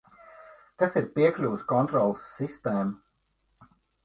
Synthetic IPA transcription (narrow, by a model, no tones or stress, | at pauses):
k̪asiɾpiɛklʲuːskɔnt̪ɾɔlˠsːist̪eːm